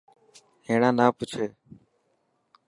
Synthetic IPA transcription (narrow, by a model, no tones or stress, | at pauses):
ɦẽːɳãːnaːpʊt͡ʃʰeː